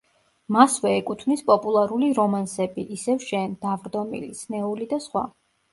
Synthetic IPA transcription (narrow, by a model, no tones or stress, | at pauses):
masvɛːkʼut̪ʰmnispʼɔpʼulˠaɾuliɾɔmansɛbiʔːsɛvʃɛnd̪̥avɾd̪ɔmḭlḭsnɛulid̪asχwa̰